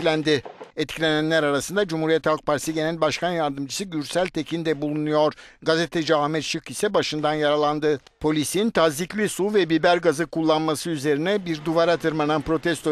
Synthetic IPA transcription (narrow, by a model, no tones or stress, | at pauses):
lʲænd̪ɪɛt̪cʰilʲe̞nænlʲæɾaɾasɯnd̪ad͡ʒumhuɾijɛt̪halˠk̚pʰaɾsɯɟe̞nælʲbaʃkʰanjaɾd̪ɯmd͡ʒʰɯsɯɟyɾsælʲt̪ʰecʰind̪ɛbulˠunujo̞ɾ̥ɡazet̪ʰɛd͡ʒaamɛt̪ʃɯkisɛbaʃɯnd̪anjaɾalˠand̪ɯ | pʰo̞lʲisiint̪ʰaziclʲisuvɛbibæɾɡazɯkulˠːanmasɯyze̞ɾinɛbiɾd̪uvaɾat̪ʰɯɾmanɯnpɾo̞t̪ʰɛst̪ʰo